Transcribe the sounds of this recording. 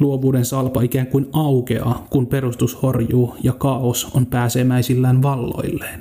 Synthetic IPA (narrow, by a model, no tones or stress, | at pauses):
luoʋuːdensɑlpɑikæːŋkuinʔɑwkeɑ̰kumpe̞rust̪ushorjuːjɑkɑoso̰mpæːseːmæisilːæːnʋɑlːo̞̰ilːeːn